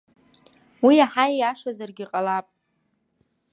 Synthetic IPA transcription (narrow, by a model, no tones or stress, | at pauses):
wiaħaiaʂazarɡʲiqʼalapʼ